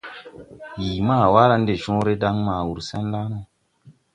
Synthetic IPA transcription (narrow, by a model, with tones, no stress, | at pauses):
jiː˨maː˦˨wa˦ɾa˧n˦de˨ʃɔ̃˦ɾe˦da˦ŋma˨wu˨ɾsɛ˦nla˦no˨